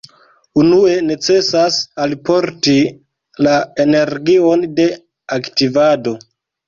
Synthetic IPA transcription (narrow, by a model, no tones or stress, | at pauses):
unue̞ne̞t͡se̞sasalpo̞ɾti | laene̞ɾɡio̞nde̞ | aktivado̞